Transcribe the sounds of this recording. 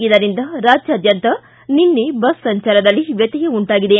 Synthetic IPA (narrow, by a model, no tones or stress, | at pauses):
ɡid̪ɐɾind̪ɐɾaːd͡ʒjɐːd̪ʱjɐnt̪ɐ | ninːebɐsːɐɲt͡ʃɐlɐd̪ɐlːiʋjɐt̪iɡeuɳʈaːɡid̪e